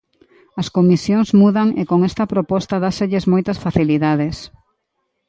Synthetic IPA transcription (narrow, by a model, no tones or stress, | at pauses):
ɐskomisjoŋzmuðɐŋḛkoŋɛst̪ɐpɾopɔst̪ɐðaseʎɪsmojt̪ɐsfaθiliðað̞es